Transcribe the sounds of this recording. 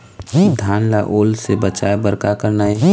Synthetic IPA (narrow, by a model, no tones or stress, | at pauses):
d̪ʱaːnla̰ʔoːlsebət͡ʃaːebəɾkakəɾnae